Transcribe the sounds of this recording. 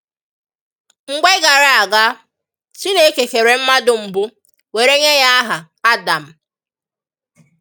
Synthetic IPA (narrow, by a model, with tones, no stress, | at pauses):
ŋ̩˨ɡʷe˦ɡa˨ɾa˨a˨ɡa˦ | t͡ʃi˦ne˦ke˨ke˨ɾe˨m̩˦ma˦dʊ˨m̩˨bʊ˦ | we˨ɾe˦ɲe˦ja˦a˦ɦa˨ | a˦da˨m̩˨